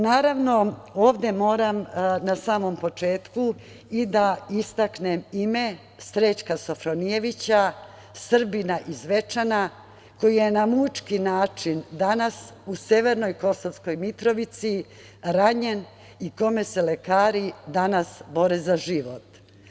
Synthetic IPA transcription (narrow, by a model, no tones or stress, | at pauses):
naːɾaʋno̞oːʋd̪e̞mo̞ːɾamnasaːmo̞mpo̞t͡ʂe̞ːt̪ku | id̪aist̪aknemime̞ | st̪ɾet͡ɕkasofɾonijeʋit͡ɕa | sr̩binaʔizʋe̞t͡ʂana | ko̞jijenamut͡ʃkinaːt͡ʂind̪anasuseʋe̞ɾno̞jko̞soʋsko̞jmit̪ɾo̞ʋit̪si | ɾaɲen | iko̞me̞se̞le̞kaːɾid̪anasbo̞ɾezaʒiʋot̪